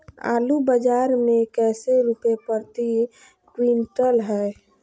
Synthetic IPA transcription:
a̰ːlubəd͡ʒaːɾmẽkɛːseɾupepəɾt̪i | kwiːnʈəlɦɛː

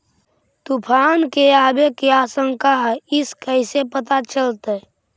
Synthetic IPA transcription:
t̪upʰaːnkeaːbekeaːsə̃ŋkaɦɛɪskəɪsepət̪at͡ʃəlt̪e

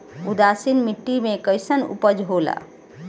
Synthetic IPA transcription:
ud̪asinmiʈːimekəjsənṵpəd͡ʒɦola̰

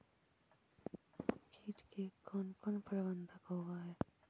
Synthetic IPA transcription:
kʰiːʈkekɔnkɔnpɾʋənd̪ʱəkɦoɡaɦɛː

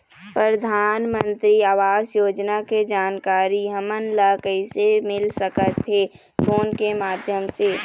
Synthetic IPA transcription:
pɾɾəd̪ʱaːnmə̃nt̪ɾiaːʋaːzjoːd͡ʒnaked͡ʒaːnkaːɾiɦəmənləkəisemɪlsəkət̪ɦe | koːnkemaːd̪ʱjəmseː

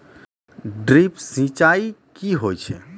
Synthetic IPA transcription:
ɖɾipsĩt͡ʃaikiɦojt͡ʃʰɛ

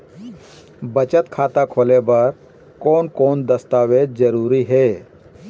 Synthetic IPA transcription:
bət͡ʃət̪kʰaːt̪akʰoːlebəɾ | koːnkoːnd̪ɐst̪aːʋeːt̪̚d͡ʒəɾuːɾiɦeː

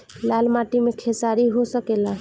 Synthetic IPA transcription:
lalmaʈimekʰesaɾiɦosəkela

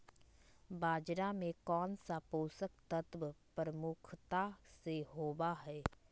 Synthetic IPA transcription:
baːd͡ʒɾamẽkɔːnsapoːsək̚t̪ət̪ʋəpɾəmʊkʰt̪aseɦoːbaɦɛː

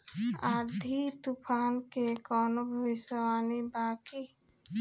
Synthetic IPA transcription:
aːd̪ʱit̪upʰaːnkekɔːnobʱəʋɪʃəwaːnibaːki

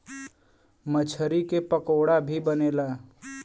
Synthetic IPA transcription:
mət͡ʃʰəɾikepəkoːɽabʱibəneːlaː

